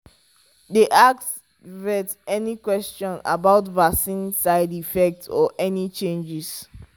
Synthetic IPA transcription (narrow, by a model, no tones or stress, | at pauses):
deʔaks | ɹɛtɛnikwɛst͡ʃɔ̃na̰baʊtvaksĩnsaɪdifɛk̚tɔ̰ʔɛnit͡ʃẽnd͡ʒis